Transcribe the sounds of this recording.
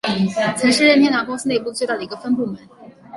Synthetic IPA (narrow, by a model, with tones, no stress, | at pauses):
t͡sʰa˧˥ʂɻ̩˥˧ɻə˥˩nt̪jɛ˥na˧˥pɑ˥s̩˥ne˥˧ɪpu˥˧t͡swt̪ɑ˥˩d̪ə˩i˧˥ɡə˧fə˥npu˥˩mə˧˥nn